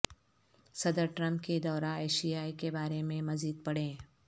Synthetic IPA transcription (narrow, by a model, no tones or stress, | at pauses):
sɐd̪əɾʈɾɐ̃mp̚ked̪ɔːɾãːeːʃijaːikebaːɾemẽmɐziːd̪̚pɐɽẽː